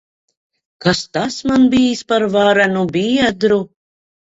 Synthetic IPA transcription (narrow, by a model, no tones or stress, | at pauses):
kast̪asmanbijspaɾvaɾanubiːɛd̪ɾu